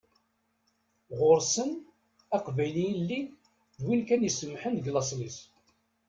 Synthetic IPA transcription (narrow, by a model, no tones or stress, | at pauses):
ʁʊɾsən | æqvæjlijlːi | ðwilkænjəsəmːħənɡlɑs̬ˤlis